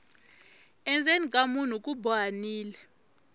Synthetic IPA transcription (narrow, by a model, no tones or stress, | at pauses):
ɛnd͡zʱenikʼamun̤ukʼubaniːlɛ